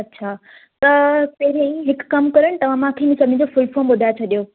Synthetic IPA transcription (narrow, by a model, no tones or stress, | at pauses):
ɐtːɕʰaː | t̪ɐpɐɦɪɾẽɦɪkːɐmkɐɾəɽ̃ɪt̪ɐʋ̤ãmãkʰemĩsɐbʱɪñd͡ʑofʊlfoːmɓʊd̪ʱaet͡ɕʰɐɗijo